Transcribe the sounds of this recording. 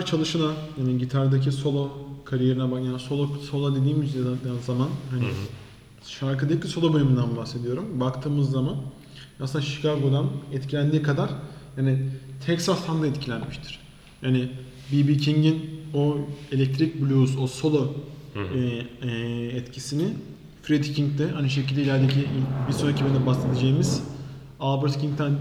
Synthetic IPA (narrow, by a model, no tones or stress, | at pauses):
ɾt͡ʃʰalˠɯʃɯnajaːniɟit̪ʰaɾd̪acʰiso̞lˠokʰaɾijeɾinabajaso̞lˠoso̞lˠad̪ed̪iːmizamanhanɪ | ʃaɾkɯd̪eclʲiso̞lˠobø̞lʲymynd̪ænbbase̞d̪ijo̞ɾumbakt̪ʰɯːmɯzːaman | asɯnd̪aʃi̥kʰaɡo̞d̪anɛt̪cʰilʲænd̪iːkʰad̪aɾ̥jaːnɪt̪ʰɛksast̪ʰand̪aɛt̪cʰilʲænmiʃt̪ʰi̥ɾ̥ | jaːnɪ | bibiːcʰiɲɟinoelʲɛc̚t̪ʰɾic̚blʲusoso̞lˠo | ɛt̪cʰisinɪ | fɾid̪icʰiŋk̚t̪ɛanɯʃecilʲd̪eilʲæɾd̪ecʰibiɾsonacʰʲibind̪ɛbasle̞d̪ed͡ʒejimiz | alˠbɯɾt̪cʰiŋkt̪ʰæn